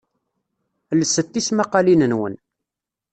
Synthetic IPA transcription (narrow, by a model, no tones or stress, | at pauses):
ləsːət̪ːismaqɑlinənwə̰n